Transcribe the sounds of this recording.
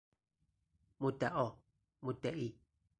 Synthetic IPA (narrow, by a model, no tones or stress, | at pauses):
mut̪aʔɔ | mut̪ɛʔi